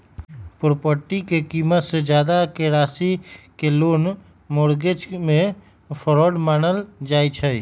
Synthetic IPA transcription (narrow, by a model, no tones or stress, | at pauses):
pʊɾpəɾʈikekiːmət̪sed͡ʒjaːd̪akeɾaːsikeloːn | moːɽɡed͡ʒmẽ | pʰəɾɔːɖmaːnəld͡ʒaːit͡ʃʰə